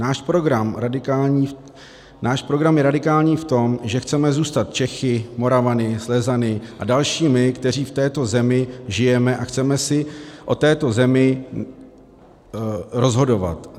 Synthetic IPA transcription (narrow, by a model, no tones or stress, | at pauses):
naːʃpɾoɡɾamɾadɪkaːlɲiː | naːʃpɾo̞ɡɾamjɛɾadɪkaːlɲiːft̪o̞mʒɛxt͡sɛmɛzuːst̪at̪̚t͡ʃɛxɪmo̞ɾavanɪslɛzanɪʔa̰dalʃiːmɪkt̪ɛr̝iːft̪ɛːt̪o̞zɛmɪʒɪjɛmɛʔaxt͡sɛmɛsɪʔo̞t̪ɛːt̪o̞zɛmɪ | ɾo̞zɦo̞do̞va̰t̪